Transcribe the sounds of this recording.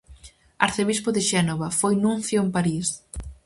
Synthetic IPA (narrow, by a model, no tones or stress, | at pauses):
aɾθeβ̞ispʊðɪʃɛnoβɐfojnũnθjoempaɾis